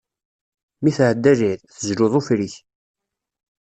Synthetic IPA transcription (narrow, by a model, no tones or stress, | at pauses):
miθʕəd̪ːæʒiðθəzlʊðˤufɾiç